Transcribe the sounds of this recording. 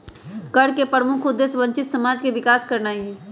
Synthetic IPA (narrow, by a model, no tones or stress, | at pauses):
kəɽkepɾəmʊkʰʊd̪ːeːsʋə̃ɲt͡ʃɪt̪səmaːd͡ʒkeʋɪkaːskɐɾnaːiɦɛː